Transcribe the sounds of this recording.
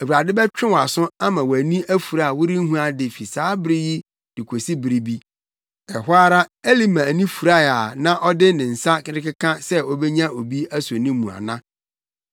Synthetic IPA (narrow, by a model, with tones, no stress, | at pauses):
æ˨wu˨ɾa˨dɪ˦bɛ˦t͡ɕᶣɪ̃˦wa˨sʊ̃˦a˦mã˨wæ˨nĩ˦æ˦fu˨ɾa˨a˨wʊ˦ɾi˦n̩˦ɦũ˦a˨dɪ˨fi˨saː˨˦bɪ˦ɾɪ˦ji˦ | d̥ɪ˨kʷʰo˨si˦bɪ˨ɾi˦bi˦ | ɛ˨hʊ˦a˦ɾa˦æ˦li˦mã˨æ˨nĩ˦fu˨ɾa˦˨a˨nã˦ʔɔ˦dɪ˦nɪ̃˨n̩˨sa˦kɪ˦ɾɪ˦kɪ˦kʰã˦sɛ˦ɔ˦bɛ˦ɲã˦o˨bi˦æ˦sʊ˨nĩ˦mũ˨a̰˨nã˦